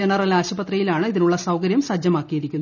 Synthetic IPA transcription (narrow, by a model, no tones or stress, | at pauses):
enːɐrɐlaːɕɐbɐt̪rɐjilaːɳɨiðinuɭːɐsɐwkɐɾjɐmsɐd͡ʑjɐmaːkːijeɾikʲːunːu